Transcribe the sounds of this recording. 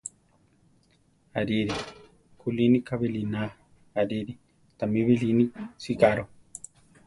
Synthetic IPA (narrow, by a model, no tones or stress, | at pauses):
aɾiɾi | kulinikaβilina | aɾiɾi | t̪amiβilinisikaɾo